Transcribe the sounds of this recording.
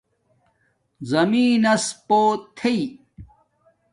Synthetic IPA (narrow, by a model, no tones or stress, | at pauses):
zɐmiːnɐspoːt̪ʰei